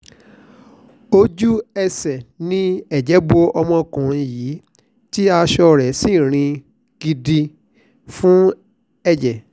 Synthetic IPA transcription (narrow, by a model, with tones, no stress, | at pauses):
o˦d͡ʒu˦ɛ˧sɛ˨nĩ˦ɛ˨d͡ʒɛ˨˦bo˧ɔ˧mɔ̃˧kũ˨ɾ̃jiː˨˦ | ti˦a˧ʃɔ˧ɾɛ˨sĩ˦˨ɾ̃ĩ˧ | ɡ̥i˧di˧ | fũ˦ | ɛ˦˨d͡ʒɛ˨